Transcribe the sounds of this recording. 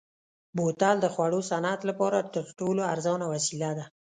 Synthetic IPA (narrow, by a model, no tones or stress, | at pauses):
bot̪ald̪əxwaɽosanat̪lapɑɾat̪əɾʈoloaɾzɑnawasilad̪a